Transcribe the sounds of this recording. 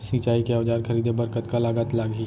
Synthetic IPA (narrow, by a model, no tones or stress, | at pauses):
sit͡ʃaːikeaːd͡ʒaːɾkʰɐɾiːd̪ebəɾkət̪kalaːɡət̪laːɡiː